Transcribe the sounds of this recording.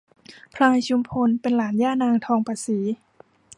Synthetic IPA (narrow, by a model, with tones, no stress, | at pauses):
pʰla˧jt͡ɕʰu˧mpʰo˧npe˨nlaː˨˦njaː˧˥˨naː˧ŋt̪ʰɔː˧ŋpʰaː˧˩siː˩˦